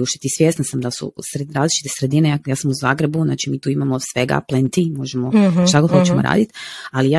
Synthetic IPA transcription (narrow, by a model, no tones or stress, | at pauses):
uʃt̪et̪isʋjest̪nasamd̪asṵsɾeɾaːzlit͡ʃit̪e̞̥sɾe̞d̪inejakjaːsamuzaːɡɾebuna̰ːt͡ʃimiːt̪uːimamosʋe̞ɡa̰plent̪imo̞ʒemot̪akoxot͡ʃemoɾa̰ːd̪it̪alija